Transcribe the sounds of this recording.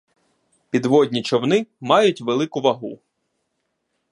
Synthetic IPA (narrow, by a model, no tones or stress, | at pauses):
pʲid̪ʋɔdʲnʲit͡ʃɔwnɪmɑjʊtʲʋelˠɪkʊʋɐɦṵ